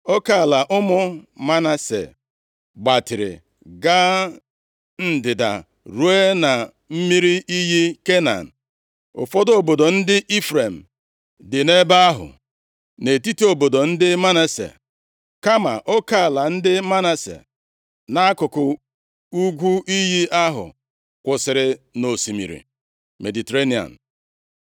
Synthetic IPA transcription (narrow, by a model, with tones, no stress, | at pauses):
o˦ka˦˨la˨ʔʊ˦mʊ˦ma˦na˨sḛ˨ | ɡ͡ba˨tɪ˨ɾɪ̰˨ | ɡa˦ | n̩˦dɪ˨da̰˨ | ɾu˦e˦na˨ | m̩˦mi˦ɾi˦i˦ɦi˦ke˦na̰˨n̩˨ | ʊ̰˨fɔ˦do˨bo˨do˨n̩˦dɪ˦ʔi˦fɾe˨m̩˨ | dɪ˨ne˦ba˦a˦ɦʊ̰˨ | ne˨ti˦ti˦o˨bo˨do˨n̩˦dɪ˦ma˦na˦sḛ˨ | ka˦ma̰˨ʔo˦ka˦˨la˨n̩˦dɪ˦ma˦na˨sḛ˨ | na˦a˦kʊ˨kʊ˨ | u˦ɡʷu˦ʔi˦ɦi˦a˦ɦʊ̰˨ | kʷʊ˨sɪ˨ɾɪ˨no˨si˨mḭ˨ɾḭ˨ | me˨di˨te˨ɾe˦ni˨a̰˨n̩˨